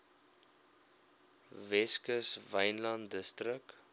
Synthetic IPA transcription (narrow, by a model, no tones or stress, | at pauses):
vɛskəsvɐjnlɑntdəstɾək̚